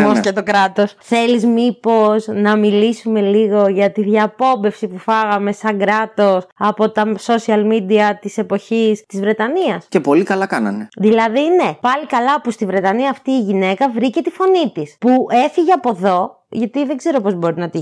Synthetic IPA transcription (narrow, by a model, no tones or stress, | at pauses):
moscet̪o̞kɾɐt̪o̞sθe̞lizmipo̞snɐmilisume̞liɣo̞ʝɐt̪iðʝɐpo̞be̞fsipufɐɣɐme̞sɐŋɡɾɐt̪o̞sɐpo̞t̪ɐso̞siɐlmid̪iɐt̪ise̞po̞çist̪izvɾe̞t̪ɐniɐsce̞po̞likɐlɐkɐnɐ̰neðilɐðine̞pɐlikɐlɐpust̪ivɾe̞t̪ɐniɐːft̪iːʝine̞kɐvɾice̞t̪ifo̞nit̪ispue̞fiʝeɐpo̞ðo̞ | ʝɐt̪iðeɡze̞ɾo̞po̞zbo̞ɾinɐt̪i